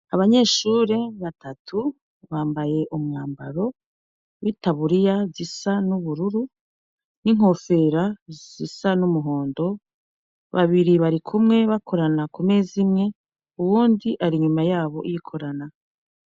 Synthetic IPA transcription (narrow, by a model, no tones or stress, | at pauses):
aβaɲe̞ːʃuːɾe̞βatʰatʰu | βaːmbaje̞ʔumŋaːmba̰ɾo̞ | witaβuɾijazisanuβuɾuɾu | niŋ̥ho̞fe̞ɾaz̥isanumuɦo̞ːndo̞ | βa̰βiɾiβaɾikʰumŋe̞βakʰo̞ɾanakume̞ːzimŋe̞ | uβuːndiʔaɾiɲumajaːβo̞ʔijikʰo̞ɾana